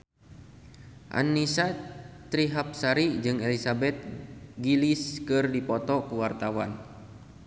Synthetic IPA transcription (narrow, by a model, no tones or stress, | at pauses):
ʔa̰nisat̪ɾiɦap̚saɾid͡ʒɨŋelisabɛt̪̚ɡiliskɨrdipɔt̪ɔkuwart̪awa̰n